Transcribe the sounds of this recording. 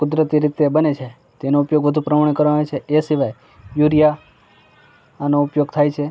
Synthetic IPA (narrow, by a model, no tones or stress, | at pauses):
kʊd̪ɾət̪iɾɪt̪ebənet͡ʃʰe | t̪enoupjoɡʋəd̪ʱũpɾəmaɳ̃kəɾʋaʋet͡ʃʰeesiʋaj | juɾja | anoupjoɡt̪ʰajt͡ʃʰe